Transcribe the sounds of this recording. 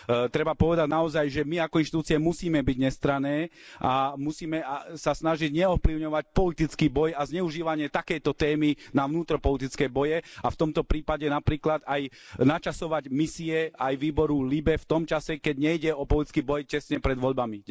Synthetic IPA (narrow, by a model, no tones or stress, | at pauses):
t̪ɾɛbapɔʋɛd̪aɟnaɔzajʒɛmiakɔinʃt̪it̪uːt͡siɛmusiːmɛbiɟɲɛst̪ɾanɛːamusiːmɛasasnaʒiɟɲɛɔfpliʊɲɔʋac̚pɔlit̪it͡skiːbɔjazɲɛuʒiːʋaɲɪɛt̪akɛjt̪ɔt̪ɛːminaʋnuːt̪ɾɔpɔlit̪it͡skɛːbɔjɛaft̪ɔmt̪ɔpɾiːpaɟɛnapɾiːklad̪aj | nat͡ʃasɔʋaɟmisiɛajʋiːbɔɾulibɛft̪ɔmt͡ʃasɛkɛɟɲɛjɟɛɔpɔlit̪i̥t͡skiːbɔjcɛsɲɛpɾɛd̪ʋɔʎbami